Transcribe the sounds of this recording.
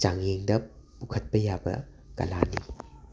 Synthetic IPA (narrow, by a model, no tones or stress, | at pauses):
t͡ʃaŋeŋdɐbukʰat̪̚pɐjaba̰ | ka̰lanḭ